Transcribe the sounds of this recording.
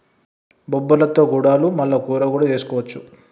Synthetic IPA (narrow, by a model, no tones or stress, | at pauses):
bɔbːɐlɐt̪o̞ːɡuɽaːlumɐlːɐkuːɾɐkuːɽaːt͡ʃe̞ːsu̥kɔːʋɐt͡ʃːu